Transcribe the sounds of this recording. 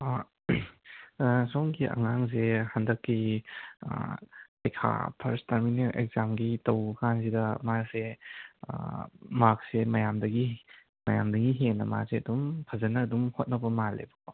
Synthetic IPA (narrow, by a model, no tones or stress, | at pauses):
soŋɡiʔɐ̰ŋaŋzehɐndɐkːḭ | lɐjkʰa̰pʰɐɾstɐɾmineŋḛkzamɡitɐwkʰanzidɐmasḛ | mak̚semɐjamdɐɡi | mɐjamdɐɡiɦenːɐma̰k̚seɐdumpʰɐzɐnɐːdumhot̚nɐbɐmalḛbɐko